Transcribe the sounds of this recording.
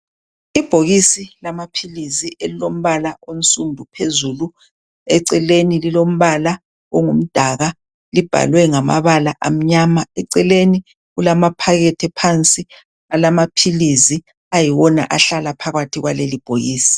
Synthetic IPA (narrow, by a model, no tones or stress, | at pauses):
ib̥ʱoɣisilamapʰiliziʔelilom̩βalaon̩sʼumbʱupʰezulu | ɛǀɛlenililom̩βala | ɔŋum̩d̥ʱaɣa | lib̥ʱa̰lwɛŋama̰βalaʔam̩ɲamaɛǀɛleni | ɣulamapʰaɣɛtʰɛpʰant͡sʼi | alamapʰilizi | ajiwɔna̰ʔaɬalapʰaɣatʰiɣwalelib̥ʱoɣiːsi̥